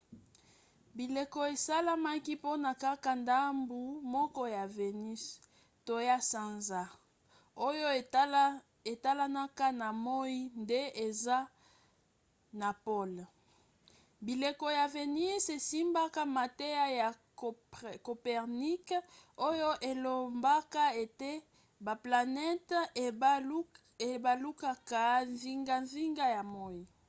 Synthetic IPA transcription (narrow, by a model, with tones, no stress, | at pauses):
bi˨le˨ko˨e˨sa˦la˦ma˦ki˦po˦na˨ka˦ka˨nda˦mbu˨mɔ˦kɔ˦ja˨ve˨ni˦s | to˨ja˦sa˨nza˦ | o˦jo˦ | e˨ta˦la˦na˦ka˦na˨mo˦i˦nde˦e˨za˦ | na˨po˦l | bi˨le˨kɔ˨ja˨ve˨ni˦se˨si˦mba˦ka˦ma˨te˦ja˦ja˨ | ko˨pɛ˨ʁni˦ko˦jo˦ʔe˨lo˨mba˦ka˦e˨te˦ | ba˨pla˨nɛ˦t | e˨ba˨lu˦ka˦ka˦nzi˦ŋɡa˦ɱzi˦ŋɡa˦ja˨mo˦ji˨